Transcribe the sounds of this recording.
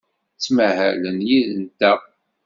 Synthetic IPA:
t͡sːməhæ̰lənjiðənt̪æ

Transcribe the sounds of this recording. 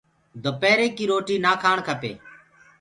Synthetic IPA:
d̪ʱopeːɾeːkiːɾoːʈiːnaːkʰaːɳkʰəpḛː

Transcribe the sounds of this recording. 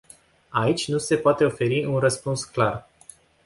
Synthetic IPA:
ait͡ʃʲnuse̞poat̪e̞o̞fe̞ɾiunrəspunsklar

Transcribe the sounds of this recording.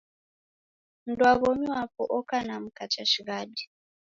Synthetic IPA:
n̩dwaɣɔmiwapɔʔɔkanam̩kat͡ʃaʃiɣadi

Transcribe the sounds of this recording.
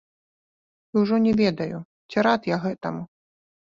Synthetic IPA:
iwʐɔnʲɛvʲɛd̪ɐju | t͡sʲiɾat̪jaɣɛt̪ɐmu

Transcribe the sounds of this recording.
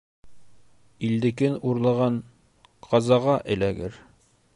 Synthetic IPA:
ild̪ɘ̆kɘnuɾlˠɑʁɑn | qʰɑzɑʁɑʔɘ̆læɡɘ̰ɾ

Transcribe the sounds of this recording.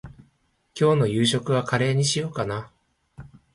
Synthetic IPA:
kʲo̞ːno̞jɯːɕo̞kɯ̟β̞akaɾe̞ːɲ̟iɕijo̞ːkana

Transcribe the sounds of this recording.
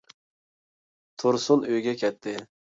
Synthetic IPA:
t̪ʰuɾsunøjɡʲɛkʲʰɛt̪ʰːɪ

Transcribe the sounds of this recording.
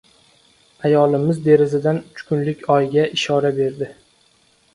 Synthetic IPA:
ajɒlˠɪmɪzd̪e̞ɾɪzɪd̪anʊt͡ʃkʰʊnlɪkʲɒjɡʲaʔɪʃɒɾabe̞ɾd̪ɪ

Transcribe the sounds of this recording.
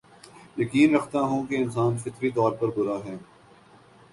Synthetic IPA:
jɐkiːnɾɐkʰt̪aɦũːkeɪns̬aːnfɪt̪ɾit̪ɔːɾpɐɾbʊɾaɦɛː

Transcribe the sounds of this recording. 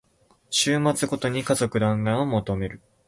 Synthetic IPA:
ɕɨːmat͡sɨɡo̞t̪o̞ɲ̟ikazo̞kɯ̟d̪ãŋɡãomot̪o̞me̞ɾɯ̟

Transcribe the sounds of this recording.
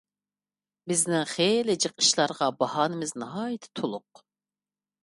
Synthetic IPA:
bɪznɪŋχelɪd͡ʒəqʰə̥ʃlˠɑɾʁɑbɑhɑːnɨmɪznɑɦɑːjɪt̪ʰɪ̥t̪ʰolˠʊq̚

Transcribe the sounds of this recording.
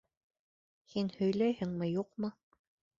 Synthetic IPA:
hinhɵ̆jlæjhɘ̆ŋmɘjuqmɤ

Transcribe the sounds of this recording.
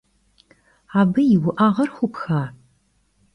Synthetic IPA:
aːbɨjɪwʊʔaːʁɐrxʷʊpxaː

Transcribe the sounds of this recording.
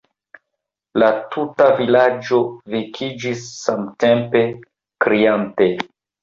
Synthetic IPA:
latʰutavilad͡ʒo̞vikʰid͡ʒisːamte̞mpe̞ | kɾiante̞

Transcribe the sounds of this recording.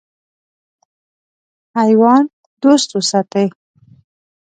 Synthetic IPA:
hajwɑn | d̪ost̪usat̪əj

